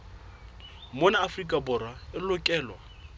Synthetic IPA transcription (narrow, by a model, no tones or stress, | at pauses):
monaːfrikʼabʊɾwaɪlʊkʼɛːlwa